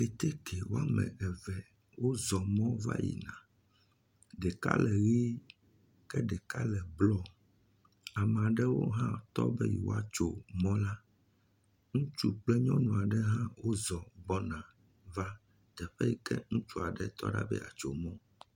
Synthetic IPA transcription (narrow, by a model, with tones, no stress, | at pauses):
e˨t̪ɛ˦kʰe˨wo˦a˦mɛ̰̃˨ɡɛ˨vɛ˨ | wo˦zɔ˨mɔ̃˦va̰˦jḭ˨nã˨ | ɖɛ˨ka̰˦lɛ˨ɣi˦ | kɛ˦ɖɛ˨ka˦lɛ˨blɔ˦ | a˨mɛ̃˨a˨ɖɛ˦wo̰˦ɦã˦t̪ɔ˦bɛ˦jḭ˨wo̰˦a˦t͡ʃo˨mɔ̃˦la˦ | ŋũ˦t͡ʃu˦k͡plɛ˦ɲɔ̃˦nũ˨a˨ɖɛ˦ɦã˦wo˦zɔ˨bɔ˦nã˨ | va˦ | t̪ɛ˨ɸɛ˦ji˨kɛ̰˦ŋũ˦t͡ʃu˦a˨ɖɛ˦t̪ɔ̰˦ɖa̰˦bɛ̰˦ʔa̰˨t͡ʃo̰˨mɔ̃˦